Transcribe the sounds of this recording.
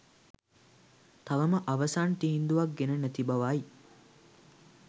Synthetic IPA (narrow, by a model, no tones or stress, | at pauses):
t̪ɐʋɐməʔɐʋɐsaːnʈ̪iɦind̪uʋɐk̚ɡenənæt̪ibɐʋaːi